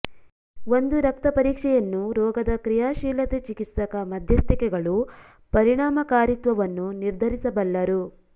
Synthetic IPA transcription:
o̞nd̪uɾɐk̚t̪ɐpɐɾiːkʂɛjɐnːuɾɔːɡɐd̪ɐkɾijaːʃiːlɐt̪et͡ʃikit̪sɐkɐmɐd̪ʱjɐst̪ikɛɡɐɭu | pɐɾiɳaːmɐkaːɾit̪ʋɐʋɐnːuniɾd̪ʱɐɾisɐbɐlːɐɾu

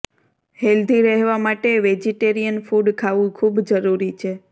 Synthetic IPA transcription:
held̪ʱiɾəɦʋamaʈeʋed͡ʒiʈeɾijənfuɖkʰaʋũkʰubd͡ʒəɾuɾit͡ʃʰe

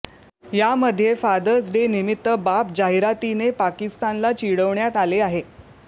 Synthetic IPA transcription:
jaməd̪ʱːjefad̪əd͡zɖenimit̪ːəbapd͡ʑaɦiɾat̪inepakist̪anlat͡ɕiɽəʋɳjat̪aleaɦe

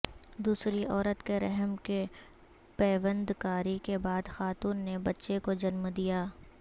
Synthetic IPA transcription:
d̪uːsɾiʔɔːɾət̪keɾɛ̰ɦmke | pɛːʋə̃nd̪kaːɾikebaːd̪xaːt̪uːnːebɐtːʃekod͡ʒɐnmd̪ijaː

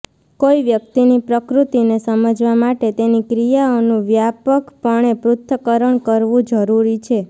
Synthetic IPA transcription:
koiʋjək̚t̪inipɾəkɾut̪inesəməd͡ʒʋamaʈet̪enikɾijaonũʋjapəkpəɳ̃epɾʊt̪ʰːəkəɾəɳkəɾʋũd͡ʒəɾuɾit͡ʃʰe

